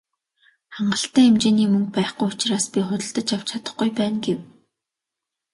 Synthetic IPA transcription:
χaɴɢə̆ɬt̪æːemt͡ɕeːniːmɵŋk̚pæːχɡujʊt͡ɕraːspʲiχʊt̪ʲə̆ɮt̪ə̆t͡ɕjawt͡ɕʰat̪ə̆χɡujpæːnɡew

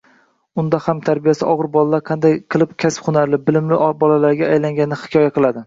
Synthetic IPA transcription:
ʊnd̪ahamt̪ʰaɾbijasɪʔɒʁɨɾbɒlˠalaɾqʰɑnd̪ajqʰɨlˠɪpkʲʰaspχʊnaɾlɪbɪlɪmlɪbɒlalaɾɡʲaːjlaŋɡʲanɪhɪ̥kʰʲɒjaqɨlˠad̪ɪ

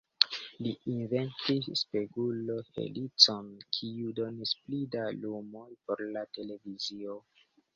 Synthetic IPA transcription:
liinve̞ntisːpe̞ɡulohe̞̰lit͡so̞nkʰiudo̞nisplidalumo̞jpo̞ɾlate̞le̞vizio̞

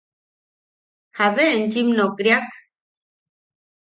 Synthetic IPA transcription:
haβeend͡ʒimnokɾiak

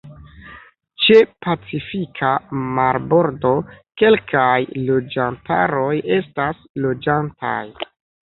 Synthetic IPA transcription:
t͡ʃe̞pat͡sifikʰamaɾbo̞ɾdo̞ke̞lkʰajlo̞d͡ʒantʰa̰ɾo̞je̞stas | lo̞d͡ʒanta̰j

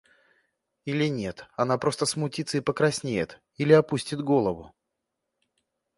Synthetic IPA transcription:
ilʲɪnʲe̞t̪ɐnapɾo̞st̪əsmʊtʲit̪səipəkɾɐsʲnʲejɪ̰t̪ | ilʲɪɐpusʲtʲɪd̪ɡo̞lˠəvʊ

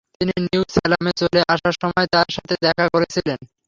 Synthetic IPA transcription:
t̪ininiwsɛlamet͡ɕoleʔaʃaʃɔmɔet̪aɾʃat̪ʰed̪ɛkʰakoɾet͡ɕʰilen

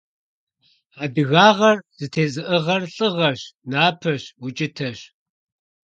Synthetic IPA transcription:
aːdɨɣaːʁɐrz̥ɨtʰeːt͡sʼɨʔɨʁɐrɬʼɨʁɐɕnaːpʰɐɕwʊt͡ʃʼɪtʰɐɕ

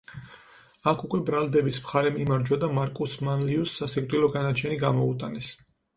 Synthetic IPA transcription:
akʰukʼwɛbɾalˠd̪ɛbismχaɾɛmimaɾd͡ʒwad̪amaɾkʼusmanliusːasɛkʼd̪ʼilɔɡanat͡ʃʰɛniɡamɔut̪ʼanɛs

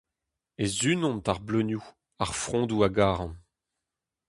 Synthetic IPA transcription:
ezynɔ̃nt̪aʁblønju | aʁfχɔ̃d̪uaɡaːʁɑ̃

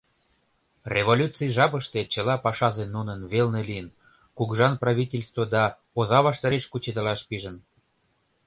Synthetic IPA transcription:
rʲʔeβolʲut͡sijʒɑpəʃt̪et͡ɕəlɑpɑʃɑzenːunənβelnelijən | kuɡʒɑnprɑβʲitʲelʲst̪vod̪ɑ | ozɑβɑʃt̪ɑɾeʃkut͡ɕed̪əlɑʃpiʒən

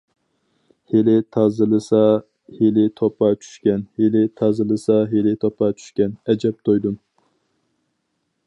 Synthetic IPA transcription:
helɪt̪ʰɑzɨlˠɨsɑ | helɪt̪ʰopɑt͡ʃʰy̥ʃkʲɛnhelɪt̪ʰɑzɨlˠɨsɑɦelɪt̪ʰopʰɑt͡ʃʰy̥ʃkʲɛnɛd͡ʒɛp̚t̪ʰojd̪um

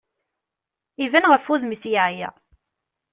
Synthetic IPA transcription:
ivænʁəfuðmisjaʕjæ̰

